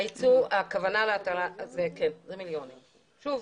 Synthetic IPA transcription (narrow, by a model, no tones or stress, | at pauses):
it͡suakavanaleataʁazekenzemiljo̞nim | ʃuv